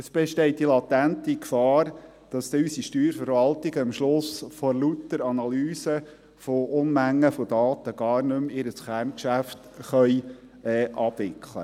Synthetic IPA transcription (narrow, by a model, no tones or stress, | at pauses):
əsb̥ɛʃtɛɪtilɑt̪æntikfɑːɾ | d̥ɑsd̥̪eysiʃtyːɾfəɾvɑltɪɡəɪmʃlʊsfoɾlut̪əɾɑnɑlyːsə | foʔʊnmæŋːəfodɑːt̪əɡ̥ɑːrnɵmɪɾəsχæɾnkʃæft | χœjɛːʔɑb̥ʋɪkʰlə̰